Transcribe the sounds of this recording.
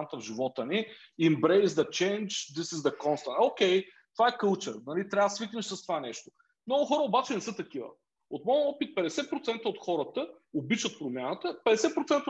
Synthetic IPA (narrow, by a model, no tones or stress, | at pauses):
ət̪əvʒivɔt̪əni | imbɾeɪzd̪ɐt͡ʃɛ̃nt͡ʃd̪isizd̪ɐkɔnst̪ə̃nokʲɛjt̪ovaɛkəlˠt͡ʃəɾnɐlit̪ɾʲavsviknəʃsɐst̪ovanɛʃt̪o | mnɔɡʊxɔɾəobat͡ʃɛnɛsɤt̪ɐkivə̰ | ot̪mɔjəɔpit̪̚pɛd̪ɛsɛt̪̚pɾot̪sɛnt̪əot̪xɔɾət̪ə | obit͡ʃət̪̚pɾomʲjanət̪əpɛd̪ɛsɛt̪̚pɾot̪sɛnt̪ə